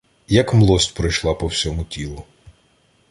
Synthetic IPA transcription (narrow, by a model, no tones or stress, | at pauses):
jɐkmlˠɔsʲtʲpɾɔjʃlˠɑpɔwsʲɔmʊtʲilˠʊ